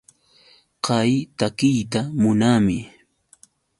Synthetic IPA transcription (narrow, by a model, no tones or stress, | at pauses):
qɑjt̪akɪjt̪amʊnamɪ